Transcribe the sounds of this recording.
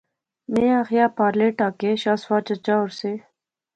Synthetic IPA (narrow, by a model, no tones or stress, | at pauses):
meaxjaːpaːɾleʈaːkeʃaːswaːt͡ʃat͡ʃaːʊɾse